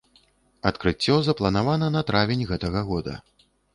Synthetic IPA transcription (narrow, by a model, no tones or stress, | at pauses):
ɐt̪kɾɨt͡sʲːɔzɐplˠɐnavanɐnɐt̪ɾavʲinʲɣɛt̪ɐɣɐɣɔd̪ɐ̰